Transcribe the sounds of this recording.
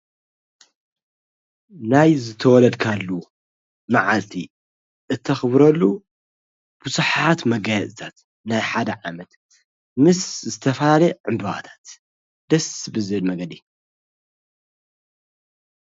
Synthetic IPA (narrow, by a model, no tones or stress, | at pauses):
najzɨt̪ʰɐwɔlɐd̪kʰalːu | maʕalt̪ʰḭ | ʔɨt̪ʰːɐxɨbɾɐlːu | b̥uzuħat̪mɐɡɐjɐt̪ʼɨt̪ʰat̪ | najħad̪ɐʕamɐt̪ | mɨszɨt̪ʰɐfɐlalɐʕɨmbɨβa̰t̪ʰḁt̪ | d̪̥ɐsbɨzɨhɨlmɐɡɐd̪i